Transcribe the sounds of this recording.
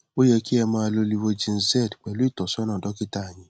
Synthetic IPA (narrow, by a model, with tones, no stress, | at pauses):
o˦jɛ˧ki˦ɛ˧mãː˧a˧lo˧li˧wo˧d͡ʒĩ˧n̩˦zɛ˦˨dk͡pɛ˨lu˨˦i˦˨tɔ˨sɔ˦nã˦˨dɔ˨˦ki˦ta˦˨j̃ĩ˨˧